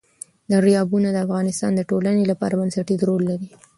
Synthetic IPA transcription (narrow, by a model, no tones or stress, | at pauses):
d̪əɾijɑbunad̪əafɣɑnɪst̪ɑ̰nd̪əʈolanelapɑ̰ɾabansaʈid̪ɾolːaɾi